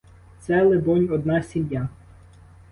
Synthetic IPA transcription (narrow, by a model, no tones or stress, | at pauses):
t̪sɛlˠebɔnʲɔd̪nɑsʲimja